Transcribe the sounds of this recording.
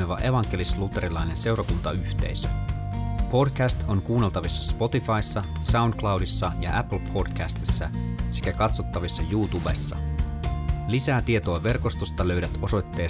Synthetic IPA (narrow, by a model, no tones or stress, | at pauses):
eʋɑʔe̞ʋɑŋk̟e̞lislut̪ːeɾilɑjne̞nse̞wrɑkunt̪ɑyht̪e̞̰jsø | po̞dkæst̪o̞ŋkuːnelt̪ɑʋisːɑspo̞t̪ifɑisːɑ | sɑunklɑwdisːɑjɑ̰ʔæpl̩pʰo̞dkæst̪isːæ̰se̞kækɑt̪sot̪ːɑʋisːɑjuːt̪ubesːɑ̰ | lisæːt̪iet̪o̞ɑʋe̞rko̞st̪ost̪ɑlø̞ɥdæt̪o̞so̞jt̪ːe̞ː